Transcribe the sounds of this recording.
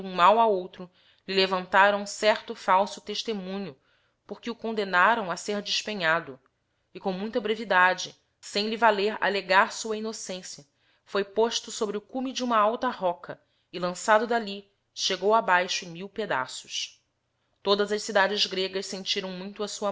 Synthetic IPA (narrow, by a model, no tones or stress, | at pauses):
ũmawaowt̪ɾʊ | lilevɐ̃nt̪aɾɐ̃w̃ũsɛɾt̪ʊfawsʊt̪eʃt̪emũɲʊ | poɾkɪʊkõnd̪enaɾɐ̃w̃ɐseɾd͡ʒiʃpẽɲad̪ʊ | ɪkõmũj̃t̪ɐbɾevid̪ad͡ʒɪ | sẽj̃livaleɾa̰leɡaɾsuɐinosẽsjɐ | fojpoʃt̪ʊsobɾɪʊkumid͡ʒũmɐawt̪ɐhɔkʰɐ | ɪlɐ̃sad̪ʊd̪ali | ʃeɡowabajʃʊẽj̃miwped̪a̰sʊ̥ʃ | t̪od̪ɐzɐʃsid̪ad͡ʒɪzɡɾeɡɐssẽnt͡ʃiɾɐ̃w̃mũj̃t̪ʊɐsuɐ